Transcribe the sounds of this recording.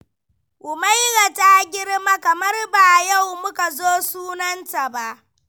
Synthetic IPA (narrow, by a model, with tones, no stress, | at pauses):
ʔʊ˨ma˦jɽa˨ta˦ɡʲɪ˦ɽma˦kɐ˨mɐ˦rba˨ja˦˨wmʊ˦ka˨zoː˦suː˦nɐ˦nta˨ba˦ʔ